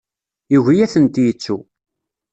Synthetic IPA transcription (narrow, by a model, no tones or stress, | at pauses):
iʝijæθənt̪jət͡sːu